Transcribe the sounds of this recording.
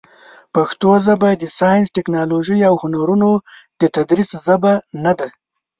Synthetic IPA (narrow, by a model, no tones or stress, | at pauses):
paxt̪ozabad̪əsɑjɪnsʈɪknɑloʒəjawhʊnaɾunod̪̥ət̪ad̪ɾiszabanad̪a